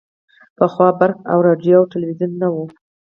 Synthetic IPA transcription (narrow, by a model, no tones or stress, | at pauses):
pəxwɑbaɾka̰wɾɑɖjoawʈɪlwizunːawu